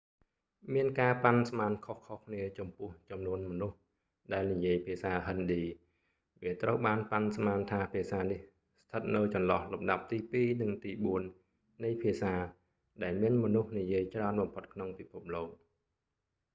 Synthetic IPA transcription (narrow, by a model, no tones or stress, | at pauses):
miənkaːpansmaːnkʰohkʰohkʰniət͡ɕɑmpʊ̆əht͡ɕɑmnuənmɔnuh | ɗaɛlnijiəjpʰiəsaːɦənɗiː | ʋiət̪rəwɓaːnpansmaːnt̪ʰaːpʰiəsaːnih | st̪ʰət̪̚nɨwt͡ɕɑnlɑhlumɗap̚t̪iːpiːnɨŋt̪iːɓuənː | ɨjpʰiəsaː | ɗaɛlmiənmɔnuhnijiəjt͡ɕraənɓɑmpʰot̪̚kʰnoŋpipʰup̚loːk̚